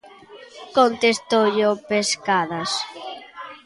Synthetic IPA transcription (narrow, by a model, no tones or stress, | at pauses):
kont̪est̪oʎopeskaðas